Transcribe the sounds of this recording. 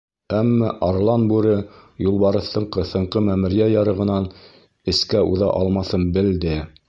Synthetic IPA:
æmːæʔɑɾlˠɑnbʉɾɘjulˠβɑɾɤ̆θɤ̆ɴqɤθɤ̆ɴqɤmæmɘ̆ɾijæjɑɾɤ̆ʁɤ̆nɑn | ɘ̆skæuðɑ̰ʔɑlˠmɑθɤnbɘ̆ld̪ɘ

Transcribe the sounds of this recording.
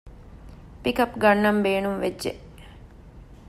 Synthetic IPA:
pikɐpɡɐnːɐmbeːnumʋed͡ʒʒeʔ

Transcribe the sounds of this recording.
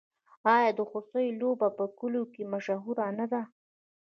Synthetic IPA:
ɑjɑd̪əxost̪əjlobapəkʊlokemaʃaɦuɾanad̪a

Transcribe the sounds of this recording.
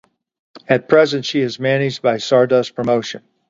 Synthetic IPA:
ɨt̚pʰɹ̥ɛzɨ̃ntʃiɨzmænɪd͡ʒ̚baɪsɑɹdʌspʰɹ̥əmoʊʃɨ̰̃n

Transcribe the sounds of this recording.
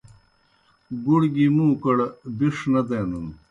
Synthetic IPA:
ɡuɽɡimũːkɐɽbiʂnɐd̪eːnun

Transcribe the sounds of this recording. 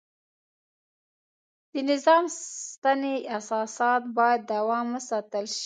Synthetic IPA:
d̪̥ənɪzɑmst̪aneasɑsɑt̪̚bɑjad̪ːawɑməsɑt̪əlʃ

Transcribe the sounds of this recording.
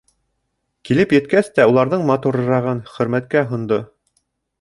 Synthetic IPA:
kilɘpjɘ̆t̪kæst̪æulˠɑɾðɤɴmɑt̪uɾɤ̆ɾɑʁɤnχɵ̆ɾmæt̪̚kæɦŏnd̪o

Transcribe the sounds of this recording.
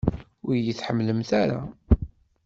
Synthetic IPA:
ʊɾjəθħəmːləmθaɾa̰

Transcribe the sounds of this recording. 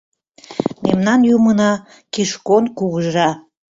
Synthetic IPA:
memnɑnjumənɑ | kiʃkonkuɣəʒɑ

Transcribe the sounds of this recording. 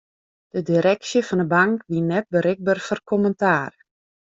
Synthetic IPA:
d̥ədiɾɛksjəfɔndəbaŋkʋinːɛt̚bəɾɪɡ̚bərfɔrkʰoməntaːr

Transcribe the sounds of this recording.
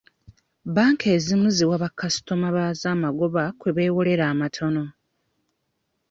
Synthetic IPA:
baːŋkʰe̞ːzimuziwaβakːasi̥tomaβaːzaːmaɡo̞βakwe̞βe̞ːwole̞ɾaːmatʰo̞no̞

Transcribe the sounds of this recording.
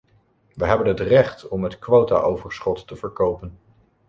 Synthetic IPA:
ʋəɦɛbənɦətrɛχtɔmɦətkʋowta̰ʔowvəɹsχɔtːəvəɹkowpən

